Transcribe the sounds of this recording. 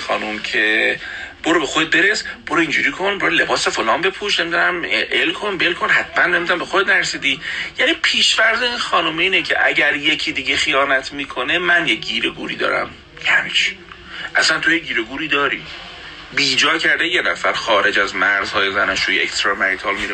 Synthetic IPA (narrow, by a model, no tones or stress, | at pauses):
xɒ̰ːnomcʰe | b̥oɾobe̞xod̪e̞t̪̚be̞ɾesb̥oɾoind͡ʒuɾiːkʰo̞nboɾole̞bɒːsefolɒːmbe̞pʰuʃne̞mid̪unæmʔelkʰonbe̞lkʰo̞nɦæt̪ʰmænːemid̪unæmbe̞xod̪et̪næɾsiːd̪iːjæniːpʰiːʃvæɾzeinxɒːnomiiːnecʰe̞̰ʔæɟæɾje̞cʰiːd̪iːɟe̞xijɒːnæt̪ʰmiːkʰone̞mænjeɟiːɾeɡṵːɾḭːd̪ɒ̰ːɾæ̰m | hæmiʃ | ʔæsænt̪ʰo̞jeɟiːɾeɡuːɾiːd̪ɒːɾḭː | biːd͡ʒɒːcʰæɾd̪ejenæfæɾxɒːɾe̞d͡ʒæzmæɾz̥hɒːjezænɒʃujeḛkst̪ɾɒmæɾit̪ʰɒːlmiɾe